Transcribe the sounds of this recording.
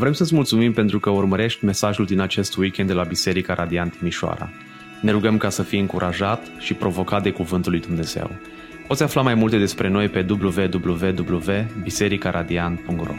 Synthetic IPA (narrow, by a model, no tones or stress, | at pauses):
vɾe̞msət̪sʲmult̪sumimpe̞nt̪ɾukəurməɾe̞ʃt̪ʲme̞saʒuld̪inat͡ʃe̞st̪wikʲenːelabise̞ɾikaɾʔad̪iant̪imiʃoa̰ɾa̰ | ne̞ɾuɡəmkasəfiɨŋkuɾʔaʒat̪ | ʃipɾo̞vo̞kat̪̚d̪e̞kuvɨnt̪ulːujd̪umne̞z̥e̞̰w | po̞t̪sʲaflamajmult̪e̞d̪e̞spɾe̞no̞jpe̞d̪ubluve̞d̪ubluve̞d̪ubluve̞bise̞ɾikaɾʔad̪ianpuŋkt̪ro̰